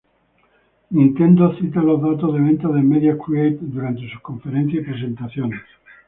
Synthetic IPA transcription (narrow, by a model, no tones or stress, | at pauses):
nĩnt̪e̞nd̪oθit̪alozðat̪ozðeβ̞e̞nt̪aðemeðjakɾuejt̪d̪uɾant̪e̞su̥kõ̞ɱfe̞ɾen̟θjasipɾe̞se̞nt̪aθjones